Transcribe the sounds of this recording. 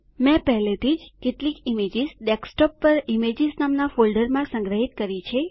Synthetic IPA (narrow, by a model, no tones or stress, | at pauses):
mɛ̃pəɦlet̪ʰid͡ʒkeʈlikimed͡ʒizɖeksʈɔpːəɾimed͡ʒisnamnafolɖəɾmãsə̃ŋɡɾəɦit̪kəɾit͡ʃʰe